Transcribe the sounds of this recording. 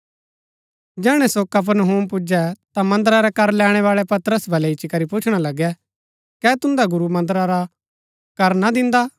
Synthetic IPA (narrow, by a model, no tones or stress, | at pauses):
d͡ʒɛːɽ̃ɛsokɐp̬əɾnɦũːmp̬ʊd͡ʒɛt̪amɐ̃nd̪əɾaɾɛkɐɾlɛːɽ̃ɛʋaːɭɛpɐt̪əɾəsbʱɐlɛɪt͡ʃikɐɾipʊt͡ʃʰɽ̃alɐɡɛ | kɛːt̪ʊ̃nd̪aɡʊɾumɐ̃nd̪ɾaɾa | kɐɾnad̪ɪ̃nd̪a